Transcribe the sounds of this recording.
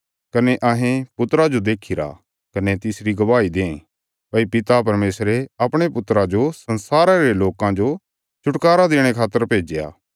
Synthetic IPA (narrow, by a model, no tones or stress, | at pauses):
kɐneʔɐɦẽpʊt̪ɾad͡ʒod̪eːkʰɪɾa̰ | kɐnet̪ɪsɾiɡɐʋaːid̪ẽːẽ | pɐipɪt̪apɐɾmeːsɾeɐpɽ̃epʊt̪ːɾad͡ʒosɐnsaːɾaɾeloːkãd͡ʒo | t͡ʃʰʊʈkaːɾad̪eːɽ̃ekʰaːt̪ːəɾpeːd͡ʒeja̰ː